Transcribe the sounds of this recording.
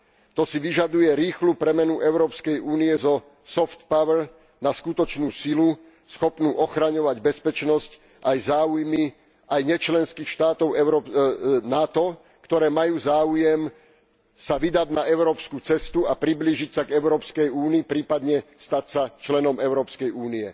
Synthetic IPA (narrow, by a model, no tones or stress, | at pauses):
t̪ɔsiʋiʒad̪ujɛɾiːxluːpɾɛmɛnuʔɛʊɾɔːpskɛjuːniɛzɔ | sɔft̪pawɛɾ | naskut̪ɔt͡ʃnuːsilu | sxɔpnuːʔɔxɾaɲɔʋaɟbɛspɛt͡ʃnɔsc | ʔajzaːujmi | ajɲɛt͡ʃlɛnskiːxʃt̪aːt̪ɔʊɛɾɔnat̪ɔ | kt̪ɔɾɛːmajuːzaːujɛm | saʋid̪ad̪naɛʊɾɔːpskut͡sɛst̪uapɾibliːʒicsaɡɛʊɾɔːpskɛjuːniːpɾiːpad̪ɲɛst̪acsat͡ʃlɛnɔmɛʊɾɔːpskɛjuːniɛ